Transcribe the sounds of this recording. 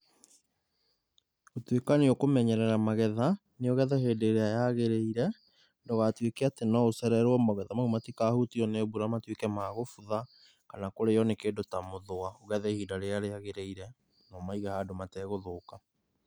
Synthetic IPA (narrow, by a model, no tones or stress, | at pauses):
otwekaneokomɛɲɛɾɛɾamaɣɛða | neoɣɛðɛheːdeɾeajaɣeɾeiɾɛ | ndɔɣatwekeatenɔosɛɾɛɾwɔmoɣɛðamaumatikaːhutiɔnebuɾamatwekɛmaːɣofuða | kanakoɾejɔnekeːndotamoðoaoɣɛðɛhiːdaɾeaɾeaɣeɾeiɾɛ | nɔmaiɣahadomatɛɣoðoːka